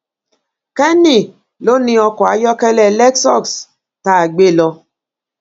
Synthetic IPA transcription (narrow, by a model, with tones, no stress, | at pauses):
kɛ˦ni˦˨ | lo˦nĩ˦ɔ˦kwa˨˦jɔ˦kɛ˦lɛ˨lɛ˦ksɔ˦˨ks | ta˨ɡ͡be˦˨lɔ˦